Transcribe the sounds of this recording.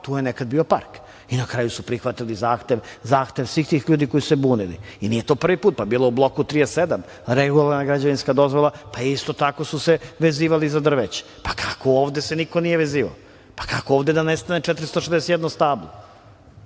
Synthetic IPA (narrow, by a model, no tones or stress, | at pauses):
t̪ujenekad̪̚biːo̞pa̰ɾk | inakɾaːjusupɾixʋat̪ilizaːxt̪eʋzaːxt̪eʋsʋiːxt̪iːxʎuːd̪iko̞jisusebuːnilḭinije̞t̪opr̩ʋipuːt̪̚pabiːloublˠo̞kut̪ɾijesed̪am | ɾeɡulˠaɾnaɡɾad͡ʑaʋinskad̪o̞zʋo̞lˠapaist̪o̞t̪ako̞suseʋeziːʋalizad̪r̩ʋet͡ɕe̥pḁkʰako̞oːʋd̪esenikonijeʋeziːʋa̰o | pḁkakooːʋd̪ed̪anest̪anet͡ʃɛt̪ɾist̪oʃezd̪esed̪nost̪aːblˠo